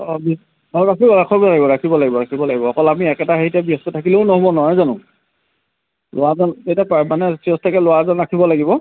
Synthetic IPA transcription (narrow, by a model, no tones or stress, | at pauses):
ɔbi | ɔɹakʰibɔɹakʰɔbɔlaɡibɔɹakʰibɔlaɡibɔɹakʰibɔlaɡibɔːkɔlamiɛkɛtaɦeitɛbiɔstutʰakileʊnɔɦobɔnɔɦɔjzanʊ | lʔowazɔnejtapamanɛsiɔstʰakɛlʊwazɔnɹakʰibɔlaɡibɔ